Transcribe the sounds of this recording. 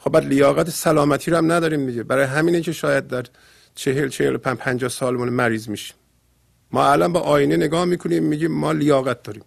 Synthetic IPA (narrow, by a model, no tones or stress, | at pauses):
xobæd̪lejɒːɣæt̪ʰesælɒːmæt̪ʰiːɾohæmnæd̪ɒːɾiːmd̪iɟebæɾɒːjeɦæmiːnecʰeʃɒːjæd̪̚d̪æɾ | t͡ʃʰeɦelt͡ʃʰehelopʰæpʰænd͡ʒɒːhsɒːlmunmæɾiːzmiʃi̥mː | ɒ̰ːælɑnbɒːʔɒːjineneɡɒːhmiːkʰoniːmːiːɟiːmːɒːlejɒːɣæt̪̚d̪ɒːɾiːm